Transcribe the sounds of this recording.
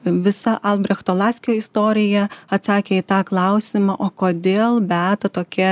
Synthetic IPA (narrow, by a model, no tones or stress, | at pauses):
ʋʲɪsɐʔɐlˠbʲɾʲɛxt̪oːlˠɑːsʲkʲjɔɪst̪oːɾʲɪjɛɐt̪sɑːkʲeːit̪ɑːklˠɑʊsʲɪmɑʔoːkoːd̪ʲeːlˠbʲæːt̪ɐt̪oːkʲɛ